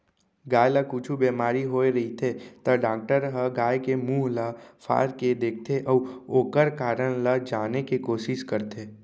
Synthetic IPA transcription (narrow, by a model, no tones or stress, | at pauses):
ɡaːjlakut͡ʃʰubeːmaːɾiɦoːeɾɐɦit̪ʰet̪ɐɖaːk̚ʈəɾɦəɡaːjkemuːɦlafʰa̰ːɾked̪eːk̚ʰt̪ʰeʔɔːoːkəɾkaːɾəɽ̃lad͡ʒaːnekikoːʃɪʃkəɾt̪ʰeː